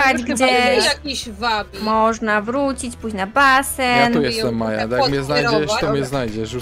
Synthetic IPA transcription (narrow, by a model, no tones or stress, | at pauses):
ad͡ʑɡd͡ʑɛjʲivamɔʐnavɾut͡ɕit͡ɕpuɕnabassɛnujɛst̪ɛmːaja̰d̪jakkmɲɛznajd͡ʑɛʃt̪ɔmɲɛznajd͡ʑɛʃu